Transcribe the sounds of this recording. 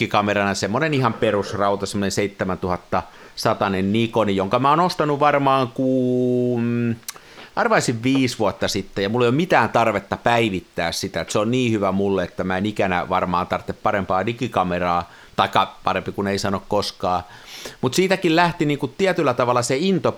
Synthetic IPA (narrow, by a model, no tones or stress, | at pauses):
ikɑmerɑnɑsemːonenihɑmperusrɑut̪ɑsemːonenseit̪ːemænt̪uhɑt̪ːɑ | sɑt̪ɑnennikonijoŋkɑmæoːnost̪ɑnuʋʋɑrmɑːŋkuːm | ɑrʋɑisiʋʋiːsʋuɑt̪ːɑsit̪ːejɑmulːeˑijomit̪æːnt̪ɑrʋet̪ːɑpæiʋit̪ːæːssit̪æet̪seonniːhyʋæmulːeet̪ːæmæenikænæ̰ʋɑrmɑːnt̪ɑrt̪ːeppɑrempɑːnikikɑmerɑː | t̪ɑikːɑpɑrempikuneisɑnokkoskɑː | mut̪siːt̪ækillæht̪iniːŋkutt̪iæt̪ylːæt̪ɑʋɑlːˑɑseint̪o